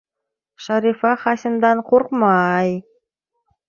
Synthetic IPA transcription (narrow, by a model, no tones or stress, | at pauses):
ʃɑɾʲifɑχɑsʲɪmd̪ɑɴqʰoɾqmɑj